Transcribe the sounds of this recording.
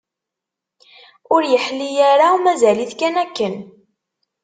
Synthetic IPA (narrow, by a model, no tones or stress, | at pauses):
ʊɾjəħlːijaɾawmæzæliθkænækːən